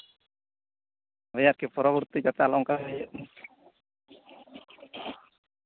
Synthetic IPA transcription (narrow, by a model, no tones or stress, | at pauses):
ɦəjaɾkepɔɾɔbɔɾt̪id͡ʒat̪ealɔŋkaaje